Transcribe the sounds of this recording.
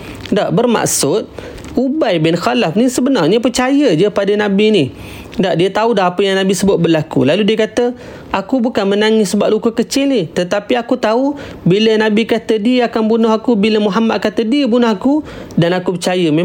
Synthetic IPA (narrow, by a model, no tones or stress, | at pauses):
daʔbərma̰ʔsʊt̪̚ | ubajbɪnxalafnisəbənarɲəpərt͡ʃajəd͡ʒəpadənãbini | daʔdiət̪audaɦapəjaŋnabisəbʊt̪̚bəlakṵlaludiəkat̪ə | akubukanmənaŋɪssːəbaʔ̚lukəkət͡ʃɪlnɪt̪ət̪apiakut̪au | bilənãbikat̪ədiəakanbunʊɦakubiləmuɦamat̪̚kat̪ədiəbunʊhakudanakupərt͡ʃajəme